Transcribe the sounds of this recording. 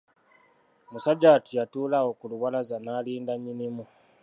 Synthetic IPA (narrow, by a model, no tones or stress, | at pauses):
musaɟaːtijatuːlawokuluwalazanaːliːndaɲinimu